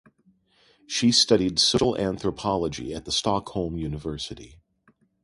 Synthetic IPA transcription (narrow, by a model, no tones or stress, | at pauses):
ʃistʌɾidsoʊʃl̩ˠæ̃nθɹəpʰɑlˠəd͡ʒḭɨt̪̚ðəstɑkhõlˠmjʉnɨvɜ˞sɨɾḭ